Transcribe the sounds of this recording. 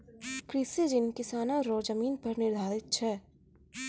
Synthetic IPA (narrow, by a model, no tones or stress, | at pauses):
kɾɪsed͡ʒɪnkɪsaːnaɾoːd͡ʒəmiːnpɐɾnɪɾd̪ʱaːɾɪt̪̚t͡ʃʰɛː